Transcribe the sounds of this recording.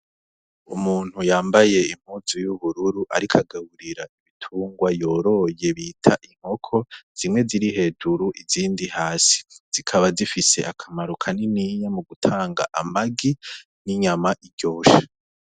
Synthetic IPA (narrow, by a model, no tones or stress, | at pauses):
umuːn̥hujaːmbaje̞im̥huzujuβuɾuɾuʔaɾikʰaɡaβuɾiɾaiβitʰuːŋɡwajo̞ːɾo̞je̞βitʰaʔiŋ̥ho̞kʰo̞z̥imŋe̞ziɾihe̞ːduɾuʔiziːndihaːsi̥z̥ikʰaβazifise̞̰ʔakʰamaɾukʰaniniɲamuɡutʰaːŋɡa̰ʔamaɡi | niɲamaʔiɾɟo̞ːʃḁ